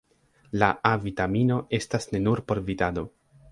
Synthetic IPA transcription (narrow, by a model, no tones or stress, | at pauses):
laʔavitamino̞ʔe̞stasne̞nuɾpo̞ɾvitado̞